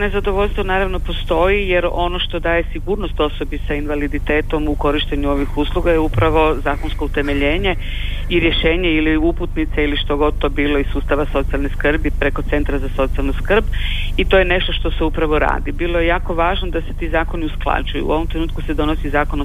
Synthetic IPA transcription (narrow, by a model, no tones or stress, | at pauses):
ne̞zad̪oʋoʎʲst̪ʋonaːɾaʋno̞po̞st̪o̞jijeɾo̞no̞ʃt̪o̞d̪aːje̞siɡuːɾno̞st̪o̞so̞bisainʋalid̪it̪e̞ːt̪o̞muko̞ɾiʃt̪eɲuo̞ʋixuslˠuɡajeupɾaʋo̞zaːkonsko̞ut̪e̞me̞ʎeːɲe̞ | iɾjeʃe̞ːɲeiliuput̪nit̪seiliʃt̪o̞ɡo̞d̪̚t̪obiːlˠo̞isuːst̪aʋaso̞t̪sialneskr̩bipɾe̞ko̞t̪se̞nt̪ɾazaso̞t̪sialnuskr̩b | it̪o̞jene̞ʃt̪o̞ʃt̪o̞seupɾaʋo̞ɾa̰ːd̪ibiːlˠo̞je̞jaːko̞ʋaːʒnod̪ase̞t̪iːzaːko̞niusklˠa̰d͡ʑujṵṵo̞ʋo̞mt̪ɾe̞nuːt̪kuse̞d̪o̞nosizaːko̞n